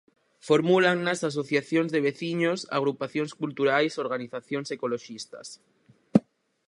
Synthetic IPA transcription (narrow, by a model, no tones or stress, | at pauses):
foɾmulaŋnasas̬o̞θjaθjonzðeβeθiɲosa̰ɣ̞ɾupaθjonskult̪uɾajso̞ɾɣaniθaθjonsekoloʃist̪a̰s